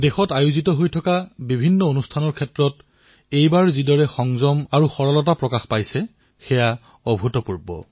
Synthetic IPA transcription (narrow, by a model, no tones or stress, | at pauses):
dexɔtajuzitɔɦojtʰɔkabibʱinːɔonustʰanɔɹkʰɛtɹɔt | ejbaɹzidɔɹɛxɔŋzɔmaɹuxɔɹɔlɔt̬apɹɔkaxpajsɛ | xɛja | ɔbʱutɔpuɹbɔ̰